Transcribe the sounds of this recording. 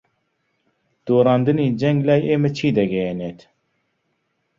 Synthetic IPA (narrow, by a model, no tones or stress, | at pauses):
d̪̥oːɾɑːnd̪ɨniːd͡ʒɛŋɡlaːjeːmɛt͡ʃʰiːd̪ɐɡɛjeneːt̪ʰ